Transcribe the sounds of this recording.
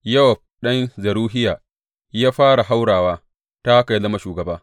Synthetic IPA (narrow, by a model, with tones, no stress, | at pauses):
jɐ˦wɐ˨b̚ɗɐ˦nzɐ˨ɾuː˦ɦɪ˦jaː˨ | jaː˦ɸaː˦ɽa˨ɦa˦wɽaː˨waː˦ | ta˦ka˨jzɐ˦ma˦ʃuː˨ɡɐ˨baː˦